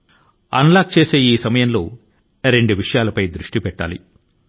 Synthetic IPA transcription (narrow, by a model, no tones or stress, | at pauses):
ɐ̰nlaːk̚t͡ʃe̞ːse̞ːiːsɐmɐjɐnlo̞ː | ɾeɳɖuʋiʂɐjaːlɐpɐjd̪ɾuʂʈipɛʈːa̰ːlḭ